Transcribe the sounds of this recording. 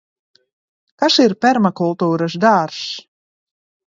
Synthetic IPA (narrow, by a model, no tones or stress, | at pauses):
kasiɾpʲɛɾmakulˠt̪uːɾasd̪aɾs